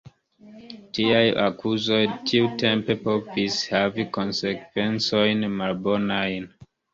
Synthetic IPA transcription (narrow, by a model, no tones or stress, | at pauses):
tiaja̰kʰuzo̞jtʰiutempe̞povishaviko̞nsekve̞nt͡so̞jnmalbo̞najn